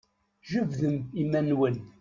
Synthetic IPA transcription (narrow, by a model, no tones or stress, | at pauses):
ʒuvðəmimænwən